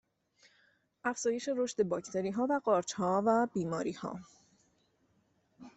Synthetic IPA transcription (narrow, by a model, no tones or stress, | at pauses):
ʔæfz̥ɒːje̞ʃe̞ɾo̞ʃd̪e̞bɒːcʰt̪ʰe̞ɾiːɦɒːvæɢɒːɾt͡ʃhɒːvæbiːmɒːɾiːhɒ̰ː